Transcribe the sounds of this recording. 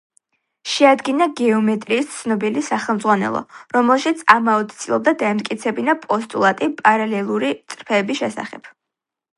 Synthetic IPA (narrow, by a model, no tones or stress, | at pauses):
ʃɛad̪ɡinaɡɛɔmɛt̪ʼɾiːst̪sʰnɔbilisaχɛlˠmd̪zʁwanɛ̰lˠɔ̰ɾɔmɛlˠʃit̪sʰamaɔt̪t̪sʰʼilˠɔb̚d̪ad̪aɛmt̪̚ʼkʼit̪sʰɛbinapʼɔst̪ʼulˠat̪ʼipʼaɾalɛlˠuɾit̪sʼɾpʰɛːbisʃɛsa̰χɛp